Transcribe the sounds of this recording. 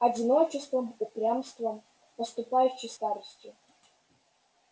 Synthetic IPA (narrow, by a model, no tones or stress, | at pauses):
ɐdʲɪnot͡ʃɪst̪vəmupɾʲamst̪və | nəst̪ʊpajʊɕɪjst̪aɾəsʲtʲɪ